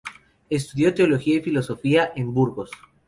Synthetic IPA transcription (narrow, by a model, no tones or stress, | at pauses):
es̬t̪uðjo̞t̪e̞o̞lo̞xiaifilo̞so̞fiaʔembuɾɣo̞s